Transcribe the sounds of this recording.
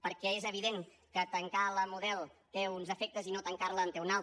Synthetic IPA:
pəɾkɛezəβiðeŋ | kət̪əŋkaləmuðɛlˠt̪eunzəfɛk̚t̪əzinot̪əŋkaɾləːnt̪eunalˠ

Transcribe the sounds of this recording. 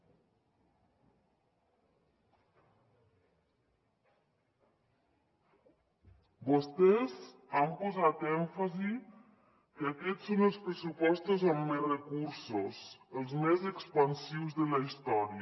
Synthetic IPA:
bost̪ɛzampozat̪ɛɱfazi | kəakɛsːonəlˠspɾəsupɔst̪ozamːerəkuɾsosəlˠzmezəkspənsiwzðələist̪ɔɾi

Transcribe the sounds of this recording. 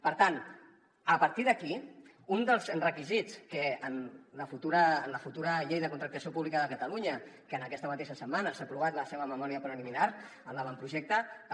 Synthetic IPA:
pəɾt̪an | əpəɾt̪iðəki | und̪əlˠzrəkizit͡skəənləfut̪uɾəːnləfut̪uɾəʎejðəkunt̪ɾək̚t̪əsiopuβlikəðəkət̪əluɲə | kəːnəkɛst̪əmət̪eʃəsəmːanəsapɾuβ̞at̪ləseβəməmɔɾiəpɾəliminaɾ | əmləβampɾuʒɛk̚t̪ə

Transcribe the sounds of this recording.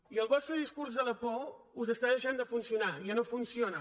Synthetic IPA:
iəlˠβɔst̪ɾəðiskuɾzðələpouzəst̪aðəʃand̪əfunsiunaʒanofunsionə

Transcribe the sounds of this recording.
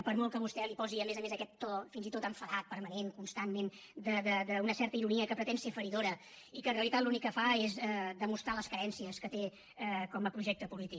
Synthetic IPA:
pəɾmɔlˠkəβust̪ɛlipɔziəmezəmezəkɛt̪ːɔfinzit̪ot̪əɱfəðat̪̚pəɾməneŋkunst̪ammen | d̪əd̪əd̪əunəsɛɾt̪əiɾuniəkəpɾət̪ɛnsefəɾiðoɾə | ikənreəlit̪at̪lunikːəfaezɛd̪əmust̪ɾaləskəɾɛnsiəskət̪e | kɔməpɾuʒɛk̚t̪əpulit̪ik

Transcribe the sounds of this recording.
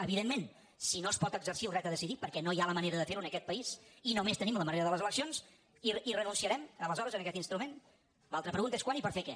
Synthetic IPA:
əβiðemːen | sinoəspɔt̪əɡzərsiulrɛt̪əðəsiðipəɾkɛnojaləməneɾəðəfeɾuənəkɛt̪̚pəisinomest̪ənimləməneɾəðələzələksions | iirənunsiəɾɛmələzɔɾəzənəkɛt̪inst̪ɾumen | lalˠt̪ɾəpɾəɣunt̪əeskwanipəɾfekɛ

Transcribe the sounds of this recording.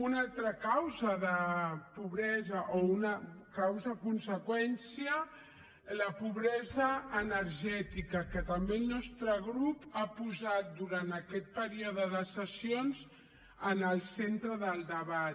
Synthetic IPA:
unalˠt̪ɾəkawzəðəpuβɾɛzəʔounəkawzəkunsəkwɛnsiə | ləpuβɾɛzəːnəɾʒɛt̪ikəkət̪əmbelˠnɔst̪ɾəɣɾupapuzat̪̚d̪uɾant̪əkɛt̪̚pəɾioðəðəsəsionz | ənəlˠsent̪ɾəðəlˠd̪əβat̪

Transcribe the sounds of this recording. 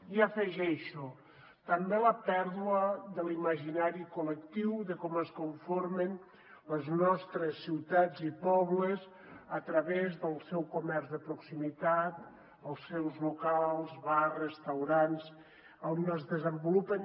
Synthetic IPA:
iəfəʒɛʃu | t̪əmbeləpɛɾðuəðəliməʒinaɾikuləkt̪iwðəkɔməskuɱfoɾmən | ləznɔst̪ɾəsːiwt̪ad͡zipɔβləz | ət̪ɾəβezðəlˠsɛwkumɛrzðəpɾuksimit̪at̪̚ | əlˠsːɛwzlukalˠzβarrəst̪awɾans | ənəzðəzəmbulupən

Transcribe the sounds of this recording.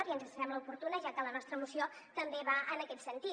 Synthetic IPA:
ɾiənzəsəɾɛmləupuɾt̪unəʒakələnɔst̪ɾəːmusiot̪əmbeβaʔənəkɛt̪sənt̪i

